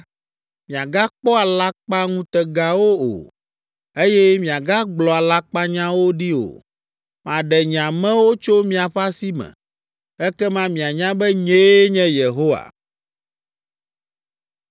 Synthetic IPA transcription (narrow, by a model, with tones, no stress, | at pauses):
mĩ˨a˨ɡa˦k͡pɔ˦a˨la˦k͡pa˦ŋũ˦t̪ɛ˨ɡa˨wo˦o̰˨ | e˦jɛ˦mĩ˨a˨ɡa˦ɡ͡blɔ˨a˨la˦k͡pa˦ɲã˦wo˦ɖi˦o̰˨ | mã˨ɖɛ˨ɲ˨ã˨mɛ̃˦wo˦t͡ʃo˦mĩ˨a˨ɸa˦si˦mɛ̰̃˨ | ɛ˦kɛ˦mã˦mĩ˨a˨ɲã˦bɛ˦ɲe˦ɲɛ̃˦je˨ɦo˦wa̰˨